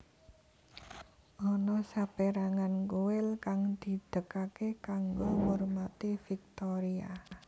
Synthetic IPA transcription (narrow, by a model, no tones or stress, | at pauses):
ʔɔnɔsapeɾaŋankuwɪlkaŋd̪̥i̤d̪̥əkakekaŋɡoŋormat̪ifik̚t̪ɔɾia